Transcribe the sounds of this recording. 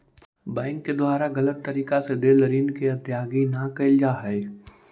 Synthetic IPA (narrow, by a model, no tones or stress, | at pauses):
bɛ̃ːŋkːed̪waːɾaɡɐlət̪ːɐɾiːkased̪eːləɾiːnkeɐt̪jaːɡinakɐɪld͡ʒaːɦɛe